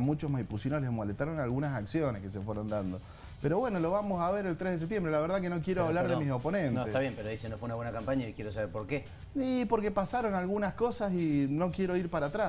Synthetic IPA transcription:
mut͡ʃosmajpusinolezmolet̪aɾo̞nalɣunasaksjo̞neskes̬efweɾond̪and̪o̞ | peɾo̞βwe̞nolo̞βamosaβeɾelt̪ɾeɦðes̬ept̪jembɾelaβeɾðak̬enokjeɾoaβlaɾðemisopo̞nẽnnoet̪aβjempeɾoðisenofweunaβwenakampaɲaikjeɾos̬aβeɾpoɾke | ipo̞ɾkepasaɾo̞nalɣunaskosasino̞kje̞ɾoiɾpaɾat̪ɾa

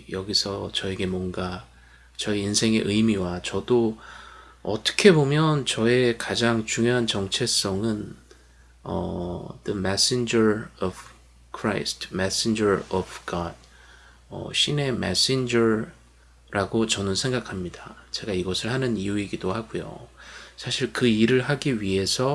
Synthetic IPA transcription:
jʌɡisʰʌt͡ɕʌe̞ɡe̞mwʌnɡa | t͡ɕʌiinsʰe̞ŋe̞̰ʔɯjmiwat͡ɕʌdo | ʌt͈ʌ̥kʰe̞bomjʌnt͡ɕʌe̞kad͡ʑaŋt͡ɕuŋjoɦant͡ɕʌŋt͡ɕʰes͈ʌŋɯn | ʌ̰d̥ɯmes͈ind͡ʑʌɾʌv | kʰɾa̰jstʰmesend͡ʑʌɾʌvɡʌd̚ | ʌ̰ɕʰine̞mḛs͈ind͡ʑʌɾ | ɾʔaɡot͡ɕʌnɯnsʰe̞ŋɡakʰamɲidat͡ɕe̞ɡaiɡʌsʰɯɭhanɯnijuiɡidohaɡujo̰sʰaɕʰiɭkɯiɾɯɭɦaɡiɥiɦe̞sʰʌ

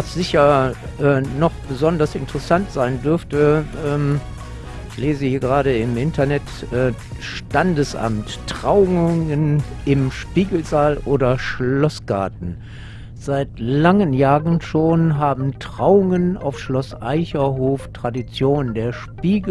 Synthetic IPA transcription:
asz̥ɪçɐ | ʔɛːnɔχb̥əzɔndɐsɪntəʁəsantz̥aɪndʏɐftəʔɛːm | ɪçleːzəhiːɐɡəʁaːɾəɪmʔɪntʰɐnɛtʔɛːʃtandəsʔa̰mttʁ̥aʊŋənɪmʃpiːɡl̩zaːlʔoːdɐʃlɔsɡ̥a̰ɐtn̩ | z̥aɪtlaŋənjaːʁən̩ʃoːnɦaːbm̩tʁ̥aʊʊŋəna̰ʊfʃlɔsʔaɪçɐɦoːftʁ̥adit͡sjoːnəndeːɐʃpiːɡ

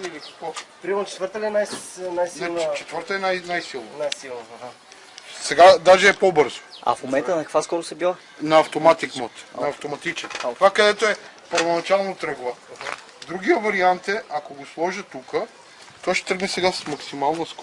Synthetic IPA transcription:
ilikkopɾimmt͡ʃɛ̥t̪vəɾt̪əlɛnajnajsint͡ʃɛt̪vəɾt̪əɛnajnajsilˠnonajsilˠn | sɛɡad̪aʒɛɛpobɤɾzo̥ɐ̰fmomɛnt̪ənɐkkvaskɔɾʊsɛbilˠ | nɐːft̪omat̪ikmɔt̪nɐːft̪omɐt̪it͡ʃɛnt̪vakɐd̪ɛt̪oɛ | pəɾvonɐt͡ʃalˠnot̪ɾɤɡlˠə | d̪ɾuɡʲijəvɐɾiant̪ɛʔɐkoɡoslˠɔʒət̪ukə | t̪ovaʃt̪ɛ̥t̪ɾəɡnɛsɛɡassmɐksimalˠnəsk

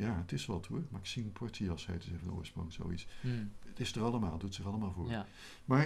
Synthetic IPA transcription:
jaːətɪsʋɛlˠtʰumaɪksiənpʰɔɹtʰijɑshɛ̰jtəzɛχəno̰ːɹsprʊ̰ŋso̰witsətɪsətərɑlˠəmaːlˠdutətsɪχɑlˠəmaːlˠvoːɹ | maːɹ

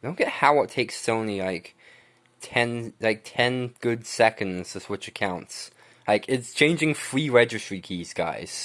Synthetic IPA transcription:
d̥õʊ̃nɡ̥ɛthaʊwʌtʰeɪkstõʊ̃nlilaɪk | tʰɛ̃nlaɪk̚tʰɛ̃nɡ̥ʊdsɛkɨ̃ndz̥ɨswɪt͡ʃɨkʰãʊ̃nts | laɪkɪtst͡ʃʰẽɪ̃nd͡ʒɪ̃ŋfɹiɹɛd͡ʒɨstɹ̥ikʰiz̥ɡa̰ɪz̥

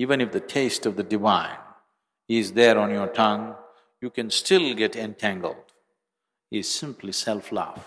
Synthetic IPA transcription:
ivə̃nɨfd̪ətʰeɪstʌvd̪ədɨvãɪ̃n | ɪzðɛɾɔ̃njɔtʰʌ̃ŋ | juːkɨ̃nstɪlˠɡɛʈɛ̃ntʰæ̃ŋɡəlˠd | ɪz̥sɪ̃mpʰlisɛlˠfla̰f

